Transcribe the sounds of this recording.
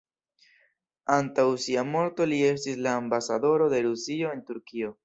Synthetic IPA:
antawsiamo̞ɾt̪o̞lie̞s̬tislaːmbasado̞ɾo̞d̪e̞ɾusio̞e̞ntuɾkio̞

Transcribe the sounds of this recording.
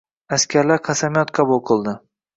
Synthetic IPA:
askʲʰaɾlaɾqʰɑsamijɒt̪qʰɑbulˠqʰɨlˠd̪ɪ

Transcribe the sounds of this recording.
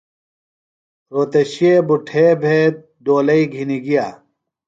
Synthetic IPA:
ɾoːt̪ɐɕiebuʈʰeːbʱeː | d̪oːlɐiɡʱiniɡijaː

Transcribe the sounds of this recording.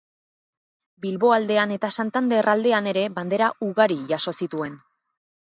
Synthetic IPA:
bilβo̞ald̪e̞ane̞t̪asant̪and̪e̞rald̪e̞ane̞ɾe̞βand̪e̞ɾaʔuɣaɾiʝaso̞sit̪ue̞n

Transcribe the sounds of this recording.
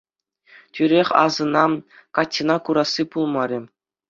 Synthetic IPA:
tʲyɾʲeχʲɑ̰zɤ̆nɑm | kɑtʲːinɑkuɾɑsːipulˠmɑɾʲɘ̆

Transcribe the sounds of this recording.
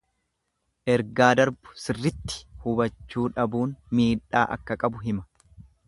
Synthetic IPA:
ʔɛɾɡaːd̪ɐɾbʊ̥sɪrːɪt̪ːɪ̥hʊbɐt͡ʃːuːᶑɐbuːnmiːᶑaːʔɐ̰kːɐkʼɐbʊɦɪmɐ̥

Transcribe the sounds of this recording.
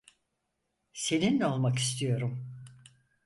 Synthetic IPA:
se̞ninlɛo̞lˠmaki̥st̪ʰijo̞ɾum

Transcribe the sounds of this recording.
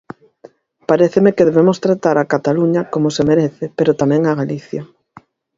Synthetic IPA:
paɾeθemekeðeβemost̪ɾat̪aɾakat̪aluɲɐkomosemeɾeθepeɾot̪amɛ̃ŋaɣaliθja

